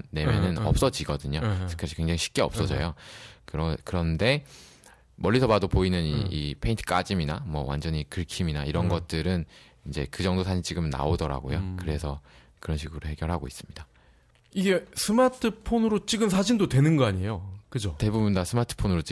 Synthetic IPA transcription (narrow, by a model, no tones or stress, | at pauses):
emjʌnɯnʌp̚s͈ʌd͡ʑiɡʌdɯɲosʰkʰaɕʰi̥kweŋd͡ʑaŋiɕʰi̥k̚k͈eʌp̚ss͈ʌd͡ʑʌ̰jokɯɾʌkɯɾʌnde̞ | mʌʎːisʰʌbadopoinɯnḭipʰe̞intʰɯ̥k͈a̰d͡ʑimina̰mwʌ̰wa̰nd͡ʑʌɲikɯɭkʰiminaiɾʌnɡʌt̚t͈ɯɾɯn | ind͡ʑe̞kɯd͡ʑʌŋdosʰaɕʰint͡ɕ͈iɡɯmna̰odʌɾa̰ɡojokɯɾe̞sʰʌ | kɯɾʌnɕʰiɡuɾoɦe̞ɡjʌɭɦaɡois͈ɯmɲida | iɡe̞sʰɯmatʰɯpʰonɯɾot͡ɕ͈iɡɯmsʰad͡ʑindotwe̞nɯnɡʌaɲie̞jokɯd͡ʑote̞bubundasʰɯmatʰɯ̥pʰonɯɾot͡ɕi